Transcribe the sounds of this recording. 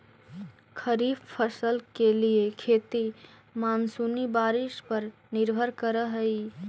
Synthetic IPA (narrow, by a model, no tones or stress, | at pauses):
kʰəɾibpʰəsəlkeliekʰet̪i | mansunibaɾispəɾ | niɾbʱəɾkəɾəɦəj